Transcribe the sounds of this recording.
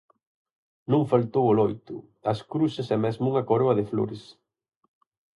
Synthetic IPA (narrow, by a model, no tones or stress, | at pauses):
nõŋfalt̪owʊlɔjt̪ʊ̰ | ɐskɾusɪsɛmɛzmʊuŋɐkoɾɔɐðɪflo̰ɾɪs